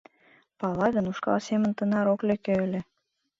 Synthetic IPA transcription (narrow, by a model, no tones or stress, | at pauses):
pɑlɑɣənuʃkɑ̰lsemə̆nt̪ə̆nɑɾoklĕkeə̆lʲĕ